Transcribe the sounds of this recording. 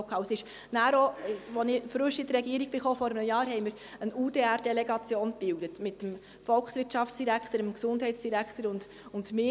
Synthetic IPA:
kʰɑəsɪʃ | næːɾɔʋɔnɪfɾøʃɪd̪əɾɛɡiəɾiɡ̚b̥ɪχoːfɔɾəmnəjɑːɾɦɛjməɾ | ənuːdeːærd̥ɛlɛɡɑt͡sjoːnb̥ɪwdətmɪtːəm | fɔlksʋɪɾtʃɑfsd̥iɾækχt̪əɾəmksʊnd̥ɦɛɪtsd̥iɾækχt̪əɾʊnd̥ | ʊndmɪ

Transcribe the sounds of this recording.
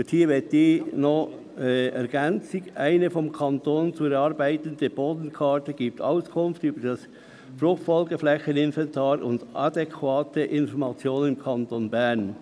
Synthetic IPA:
ʊthiːʋɪt̚diːnɔχ | ɛɾɡ̥ɛnt͡sɪɡaɪnəfɔmkʰɑntoːnt͡suɛɾɑːɾbaɪtəndəb̥oːdən̩kʰɑːtəɡ̥iːp̚ta̰ʊskʰʊnftyːbəd̥ɑs | fɾʊxtfɔlɡəflɛçənɪnvɛntʰɑːɾʊndʔɑdɛkʰvɑːtəʔɪnfɔɾmɑt͡sjoːnnɪmkʰɑntonbɛɾn

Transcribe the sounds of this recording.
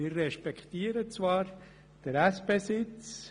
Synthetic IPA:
ɪːɾːɛʃpɛkt̪iːəɾət͡svɑːɾ | d̥əɾɛsb̥eːsɪt͡s

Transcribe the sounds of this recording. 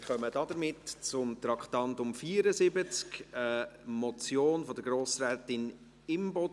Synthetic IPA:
χœməd̥ɑd̥̪əɾmɪtt͡sʊmt̪ɾɑkχt̪ɑntʊmfiːɾəzɪbət͡skəmɔt͡sjoːnfɔd̪əɾɡɾoːsɾɛːtɪn | ɪmbɔd

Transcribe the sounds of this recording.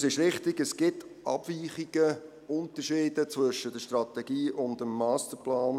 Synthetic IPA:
sɪʃɾɪχtɪɡəsɡ̥ɪtʔɑ̰b̥viːχiɡ̥ə | ʊntəɾʃiːdət͡svʏʃəd̥əʃtrɑtɛɡ̥iːʔʊndəmːɑːstəɾplaːn

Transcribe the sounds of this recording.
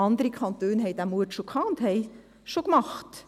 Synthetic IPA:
ɑnd̪əɾəkʰɑnt̪øːnɦɛɪd̪æmuətʃokʰɑnt̪hɛɪ | ʃokmɑχt̪

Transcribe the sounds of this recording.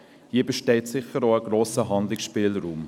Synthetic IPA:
hiəbəʃtɛɪtsɪχəɾoəɡɾoːsəɦɑnd̪lɪksʃpiːlɾuːm

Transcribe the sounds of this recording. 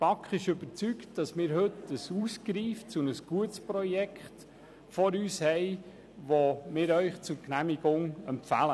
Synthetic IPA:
pɑkχɪʃɵb̥əɾt͡syktd̥ɑsmɪːɾɦɵtəsuskɾiːft͡sunəsɡ̥uətsprɔjɛkʰχt | fɔɾyːshɛɪ | ʋomɪːɾœʏχt͡sʊɾknæmɪɡ̥ʊŋɛmpfælə

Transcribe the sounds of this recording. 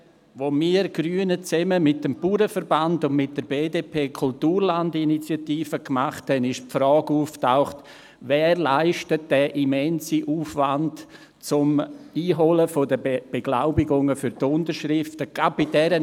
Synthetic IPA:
ʋomiːɾɡ̥ɾyːənət͡sɛməmɪt̚dəmpuːɾəfəɾbandʊnmɪt̚d̥əɾbeːdeːpʰeːkʰʊltuːɾlandinit͡sjatiːfəkmaχthɛnɪʃpfɾɔːɡuːftaʊχt | vɛːrlaɪʃtət̚d̥ɛːʔimɛnsiʔuːfʋant | t͡sʊmiːɦoləfodəb̥eɡ̥laʊbɪɡʊŋəfyɾtʊntəɾʃɾɪftəɡ̥ab̚b̥ɪdɛɾə

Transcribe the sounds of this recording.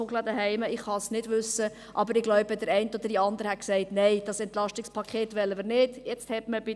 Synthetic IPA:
oklɑd̪əɦɛɪməɪχhɑsnɪd̥ʋʏsə | ʔɑbəɾɪɡlɔʊbəd̥əɾɛɪntɔd̥̪ədiɑnd̪əɾəhɛt̚ksɛɪtnɛɪd̥ɑsɛntlɑʃtɪkspʰɑkʰeːtʋɛlːəməɾnɪd̥jɛt͡sthɛtməbɪ

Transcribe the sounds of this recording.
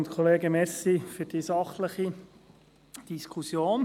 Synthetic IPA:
nt̪kʰɔleːɡəmɛsifyɾd̥isɑχləχi | d̥iskʰusjoːn

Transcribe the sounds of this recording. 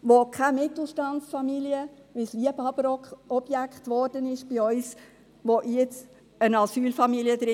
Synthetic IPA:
ʋokʰamɪt̪l̩ˠʃtɑnt͡sfɑmiliə | ʋɪsliəbɑbəɾɔkχɔb̥jækχtʋɔɾd̥ənɪʃb̥ɪœʏs | ʋoʔjɛt͡s | ənɑsyːlfɑmilijəd̥̪ɾɪ

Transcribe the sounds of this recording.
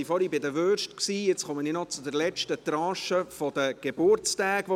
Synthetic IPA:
ifɔɾibɪd̪əʋøʃtksiːjɪt͡sχɔmənɪnɔt͡sʊd̪əɾlɛt͡ʃtət̪ɾɑ̃ːʃəfɔd̥̪əɡ̥ebʊɾt͡stæːɡ̥ʋo

